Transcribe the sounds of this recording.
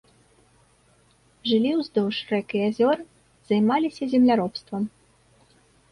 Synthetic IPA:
ʐɨlʲiwzd̪ɔwʂrɛkɨazʲɔr | z̥ajmalʲisʲɐzʲɛmlʲaɾɔpst̪vɐm

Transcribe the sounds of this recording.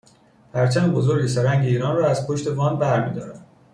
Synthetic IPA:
hæɾt͡ʃʰæmebozo̞ɾɟesæɾæŋɟeiːɾɒːnrɒːæz̥pʰoʃt̪e̞vɒːnbæɾmiːd̪ɒːɾæn

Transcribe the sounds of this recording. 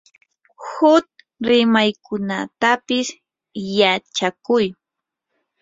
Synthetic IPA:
hʊt̪̚ | ɾɪmajkʊnat̪apɪs | jat͡ʃakʊj

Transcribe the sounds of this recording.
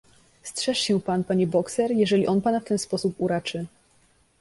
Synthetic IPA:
stʂɛʂɕɛ̃panpaɲɛbɔksɛɾjɛʐɛlʲiʔɔnpanaft̪ɛnspɔsupuɾat͡ʂɘ

